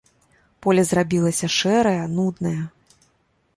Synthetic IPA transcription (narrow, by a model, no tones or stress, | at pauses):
pɔlʲɐzrabʲilˠɐsʲɐʂɛɾɐjɐnud̪nɐjɐ